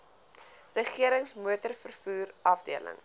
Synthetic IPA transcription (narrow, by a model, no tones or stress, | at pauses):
rəχiəɾəŋsmuətərfərfuːrɐfdḭələ̰ŋ